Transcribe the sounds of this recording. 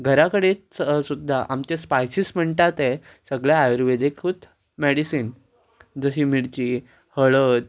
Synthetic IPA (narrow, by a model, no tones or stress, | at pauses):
ɡʱəɾakəɽet͡ssud̪ʱːaʔamt͡ɕespajsism̤əɳʈ̪at̪e | səɡɭjaajəɾʋed̪ʱekʰuːt̪ | meɽisiːn | d͡zəɕiːmiɽt͡ɕiː | həɭət̪̚